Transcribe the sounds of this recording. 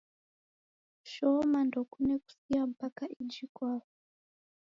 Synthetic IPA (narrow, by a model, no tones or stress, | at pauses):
ʃomandokuneku̥sijampakaʔid͡ʒikwaːwo